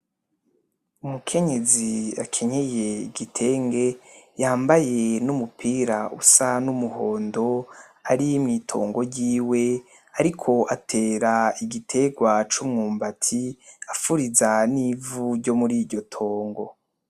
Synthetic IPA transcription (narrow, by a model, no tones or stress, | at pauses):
umukʰe̞ɲe̞zia̰kʰe̞ɲeje̞iɡitʰe̞ːŋɡe̞jaːmbaje̞numupʰiːɾaʔusanumuhoːndo̞ | aɾimŋiːtʰo̞̰ːŋɡo̞ɾɟiːwe̞ | aɾikʰo̞ʔatʰe̞ːɾaiɡitʰe̞ɡwat͡ʃumŋuːmbatʰiafuɾizanivuɾɟo̞muɾiːɾɟo̞tʰo̞ːŋɡo̞